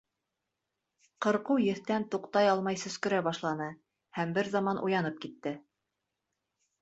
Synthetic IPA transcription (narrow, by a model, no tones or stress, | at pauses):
qɤ̆ɾqujɘ̆θt̪ænt̪uqt̪ɑjɑlˠmɑjsɵ̆skɵ̆ɾæbɑʃlˠɑnɤ | hæmbɘɾzɑmɑnʔṵjɑnɤp̚kit̪ːɘ